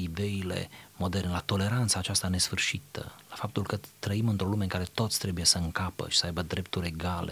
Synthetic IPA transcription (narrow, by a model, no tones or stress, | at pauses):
id̪e̞ile̞̰mo̞d̪e̞rnelat̪o̞le̞ɾant̪saːt͡ʃast̪ane̞sfɨrʃit̪ə̰lafap̚t̪ulkət̪ɾəimɨnt̪ɾo̞lume̞ɨŋkaɾe̞t̪o̞t̪sʲt̪ɾe̞buje̞səɨŋkapə̰ʃi̥səajbəd̪ɾe̞p̚t̪uɾʲe̞ɡalḛ